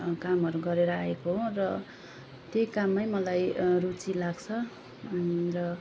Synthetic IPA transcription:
kamɦʌɾuɡʌɾeɾʌaekoɦorʌ | t̪ejkamːajmʌlajrut͡silaɡt͡sʰʌ | rʌ

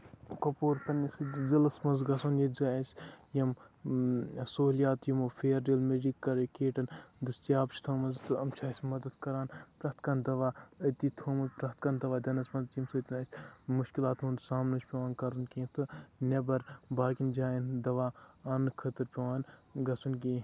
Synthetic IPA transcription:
kɐpoːɾpɐnisɨzɐlɐsmɐnzɡɐsɐnjɐzʲaːɐsʲjɐm | soːlijaːt̪jimoːfʰʲeːɾɖeːlmed͡ʒikːɐɾekeːʈɐnd̪ɨst̪ijaːbt͡ʃʰt̪ʰɐːmɐnzt̪ɨɐmt͡ʃʰaːsʲmɐd̪ɐd̪kɐɾaːnpɾɐht̪kɐnd̪ɐʋaːɐt̪iːt̪ʰoːmɐnzpɾɐt̪kɐnd̪ɐʋaːd̪ʲɐnɐsmɐnzimsɨːt̪ʲinaːsʲmuʃkilaːt̪ɦũːnd̪saːmnɨt͡ʃʰʲpʲɐʋaːnkɐɾunkẽːt̪ʰɨnʲɐbɐɾbaːkind͡ʒaːind̪ɐʋaːɐnkʰɐt̪ɨɾpʲeʋaːnɡɐsunkĩː

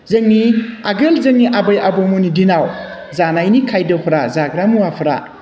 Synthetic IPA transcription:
zɯŋniaɡɯlzɯŋniʔabɐjʔabɔmonidinaw | zanajnikʰajdɐhɔɾazaɡɾamuwapʰɾa̰

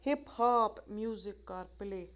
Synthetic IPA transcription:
hephaːpmjuːzɪkːaɾpɪle

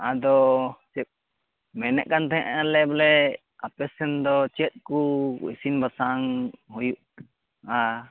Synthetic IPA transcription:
ad̪ɔt͡ʃɛp̚ | mɛnɛ̰ʔkant̪ɛɦɛ̰̃ʔalɛbɛlɛ | apɛsɛnd̪ɔt͡ʃɛt̪̚kuḭsinbasaŋhujuʔ | a

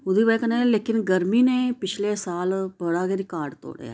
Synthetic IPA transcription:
ʊd̪iːbɛːkəneːleːkɪnɡəɾmiːneːpɪt͡ʃʰleːsaːlbəɽaːɡeɾikaːɾɖt̪o̰ːɽ̰ja̰ː

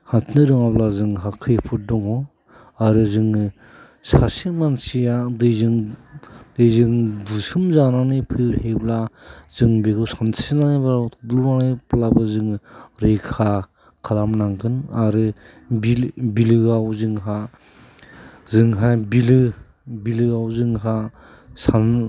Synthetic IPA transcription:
hantʰnɯɾɯŋablazɯŋɦakʰɯjpʰut̚dɔŋɔ | aɾɯzɯŋ | sasimansijadɯjzɯŋ | dɯjzɯŋdusɯmzananipʰɯɾheblazɯŋbeɡɯsantʰsinanebladlunaneplabɯzɯŋɾekʰa | kʰalamnaŋkʰɯnaɾɯ | bibilɯɡawzɯŋɦa | zɯŋɦabilɯ | bilɯɡawzɯŋɦa | san

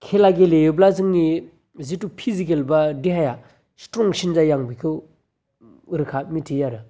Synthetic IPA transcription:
kʰelaɡelejɯblazɯŋni | zitupʰizik̬elbadiɦaja | stɾɔŋsinzajaŋbikʰɯw | ɯɾɯkʰat̚mitʰijaɾɯ

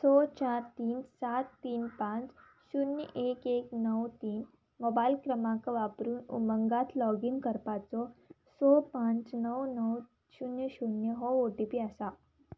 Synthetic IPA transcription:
sɔt͡ɕaɾt̪iːnsat̪ːiːnpãt͡s | ɕunjə̰ʔekeknəwt̪iːn | mɔbailkɾəmakəʋapɾuːnṵməŋɡat̪lɔɡiŋɡkəɾpat͡sɔ | sɔpãnt͡snəwnəw | ɕunjəɕunjəɦɔoʈipiasa

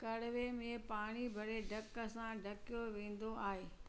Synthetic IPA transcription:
kɐɽʊʋemẽpaːɽ̃ibʱɐɾeɖʱɐkəsãɖʱɐkijoʋẽːn̆d̪oaːɦeː

